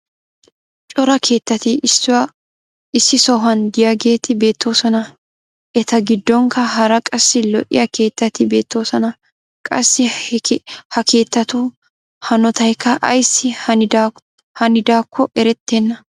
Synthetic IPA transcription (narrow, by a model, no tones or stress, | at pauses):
t͡ʃʼɔɾɐkʰe̞ːt̪ːɐt̪ɪsɪw | ɪsːɪsɔɦɐnd̪ɪjaɡe̞ːt̪ɪbe̞ːt̪ʰːo̞ːsɔnɐ | ʔɛt̪ɐɡɪd̪ːɔŋkɐɦɐɾɐkʼɐsːɪlɔʔɪ̰jɐke̞ːt̪ːɐt̪ɪbe̞ːt̪ːo̞ːsɔnɐ | kʼɐsːɪ | hɐkʰe̞ːt̪ːɐt̪u | hɐnɔt̪ɐjkːɐʔɐjsːɪ | hɐnɪd̪aːkːɔʔɛɾɛt̪ːenːɐ